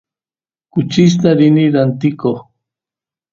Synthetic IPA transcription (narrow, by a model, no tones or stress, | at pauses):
kut͡ʃis̬t̪aɾiniɾant̪iko